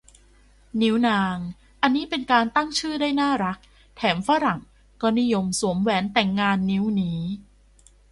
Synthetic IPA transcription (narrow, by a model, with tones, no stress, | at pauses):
ni˦˥wnaː˧ŋ | ʔa˧nːiː˦˥pe˧nkaː˧nt̪a˥˩ŋt͡ɕʰɯː˥˩daː˥˩jnaː˥˩ɾa˦˥k̚ | t̪ʰɛː˩˦mfa˦˥ɾa˨˩ŋ | kɔː˧ni˦˥jo˧msu˩˦əmwɛː˩˦nt̪ɛ˨˩ŋːaː˧nːi˦˥wniː˦˥